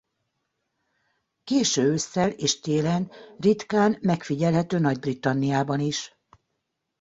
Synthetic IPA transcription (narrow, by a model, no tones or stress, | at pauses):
keːʃøːøsːɛleːʃt̪eːlɛnrit̪kaːnmɛkfiɟɛlɦɛt̪øːnɒɟbrit̪ɒnːijaːbɒniʃ